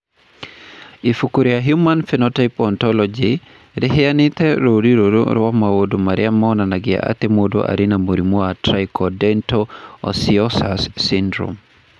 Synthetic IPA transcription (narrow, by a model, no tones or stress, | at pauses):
ifukuɾiaɦjumanfinɔtajpɔntɔlɔd͡ʒi | ɾɛɦijanitɛɾodiɾodṵɾɔwamawodumaɾiamɔnanaɡia̰ʔa̰t̪ɛmodɔ̰ʔa̰ɾinamuɾimuatɾajkɔdɛntɔɔ̰siɔsasːindɾṵm